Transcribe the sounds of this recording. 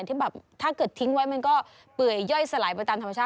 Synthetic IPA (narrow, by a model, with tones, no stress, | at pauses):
nt̪ʰiː˥˩bɛː˨˩p̚t̪ʰaː˥˩kɤː˨˩t̪ʰːi˦˥ŋwa˦˥jma˧nkɔː˥˩ | pɯ˨˩əjːɔ˥˩jsa˧laː˩˦jpa˧t̪aː˧mt̪ʰmːa˧t͡ɕʰaː˥˩